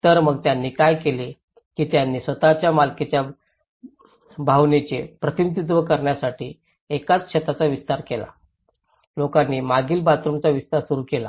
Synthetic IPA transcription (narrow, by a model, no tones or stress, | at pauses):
t̪əɾməɡ̚t̪janːiːkajkele | kiːt̪janːiːsʋət̪at͡ɕjamalket͡ɕja | bʱawnet͡ɕepɾət̪init̪it̪̬ʋəkəɾɳjasaʈiː | ekat͡sɕet̪at͡saʋist̪aɾkela̰ | lokanːiːmaɡiːlbat̪ɾumt͡saʋist̪aɾsuɾuːkela